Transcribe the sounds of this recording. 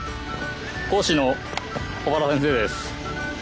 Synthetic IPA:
koːɕino | kobaɾasẽs̬e̞ːd̪esɨ̥

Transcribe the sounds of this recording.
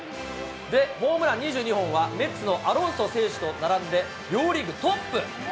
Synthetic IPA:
d̪e̞mo̞ːmɯ̟ɾaɲ̟iʑɨːɲ̟iɦõ̞ɰ̃βame̞t͡sɨno̞ʔaɾõ̞ɰ̃so̞se̞ːɕi̥t̪o̞naɾãnd̪e̞ | joːɾʲiɡɯ̟t̪o̞pːɯ̟

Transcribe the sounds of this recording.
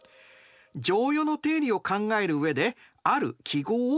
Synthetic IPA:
d͡ʑo̞ːjo̞not̪e̞ːɾʲio̞kãŋɡae̞ɾɯ̟ɯe̞d̪e̞ | aɾɯ̟̰kʲʰiɡo̞ː

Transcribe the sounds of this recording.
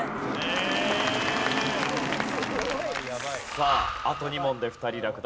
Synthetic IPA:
saːat̪o̞ɲ̟imõ̞nd̪e̞ɸɯ̟̥t̪aɾʲiɾakɯ̟d̪

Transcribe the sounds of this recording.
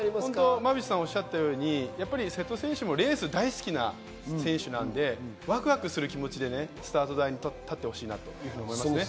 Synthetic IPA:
õnt̪omabʲii̥sãɰ̃o̞ɕːat̪ːajo̞ːɲ̟ijapːaɾʲise̞t̪ːo̞sẽ̞ɰ̃ɕɨmo̞ɾe̞ːsɨd̪aisɨ̥kʲina̰ | sẽ̞ɰ̃ɕɨnã̰nd̪e̞ | βakɯ̟βakɯ̟sɨɾɯ̟kʲimo̞t͡ɕid̪e̞ne̞sɨ̥t̪aːt̪o̞d̪aiɲ̟it̪ːat̪ːe̞ho̞̥ɕiːnat̪o̞jɯ̟ːhɯ̟ɲomo̞imasɨne

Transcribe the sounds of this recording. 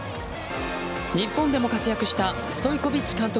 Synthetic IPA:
ɲ̟ipːõ̞nd̪e̞mo̞kat͡sɨjakɯ̟ɕi̥t̪a | sɨ̥t̪o̞iko̞bʲit͡ɕːi̥kãnt̪o̞

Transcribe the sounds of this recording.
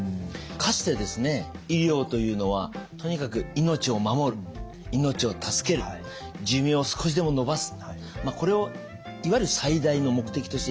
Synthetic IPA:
kʰaɕɨ̥t̪e̞d̪e̞sɨne̞iɾʲo̞ːt̪o̞jɯ̟ːno̞β̞at̪o̞ɲ̟ikakɯ̟ino̞t͡ɕio̞mamo̞ɾɯ̟ | ino̞t͡ɕio̞t̪ʰasɨ̥ke̞ɾɯ | d͡ʑɨmʲĩosɨ̥kʰo̞ɕ̬id̪e̞mo̞no̞basɨ̥ | mako̞ɾe̞o | iβaiɾɯ̟said̪aino̞mo̞kɯ̟̥t̪e̞kʲi̥t̪o̞ɕt̪e

